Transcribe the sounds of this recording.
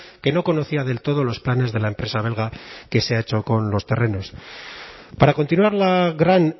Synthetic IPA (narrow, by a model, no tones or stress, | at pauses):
ke̞no̞ko̞no̞θiaðe̞lt̪o̞ð̞o̞lo̞splane̞zðe̞laempɾe̞saβe̞lɣake̞seae̞t͡ʃo̞ko̞nlo̞st̪e̞re̞no̞s | paɾako̞nt̪inwaɾlaɣɾan